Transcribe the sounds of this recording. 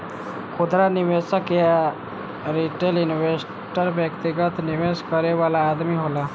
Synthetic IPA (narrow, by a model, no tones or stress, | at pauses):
kʰʊd̪ɾanɪʋesəkea | ɾiʈelɪnʋes | ʈəɾbjəkt̪iɡət̪nɪʋeskəɾeʋaːlaːd̪miɦoːlaː